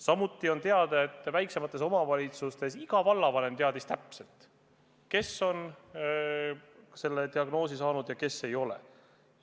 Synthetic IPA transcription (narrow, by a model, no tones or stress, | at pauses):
sɑmut̪ːˑio̞nt̪eɑd̪̥ɑe̞t̪ːˑvæjkse̞mɑt̪ːˑe̞so̞mɑvɑlʲit̪sust̪e̞siɡ̥ɑvɑlːɑvɑne̞mt̪eɑd̪ist̪æpse̞lt̪ | ke̞so̞n | se̞lːet̪iɑɡno̞ːsisɑːnud̪̥jɑke̞sːe̞jo̞lḛ